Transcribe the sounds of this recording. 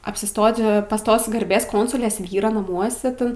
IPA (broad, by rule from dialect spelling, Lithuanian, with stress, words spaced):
ɐpʲsʲɪˈstoːtʲɪ pɐs ˈtoːs ɡɐrʲˈbʲeːs ˈkoːnsʊlʲeːs ˈʋʲiːroː nɐˈmuɔsʲɛ ˈtʲɛn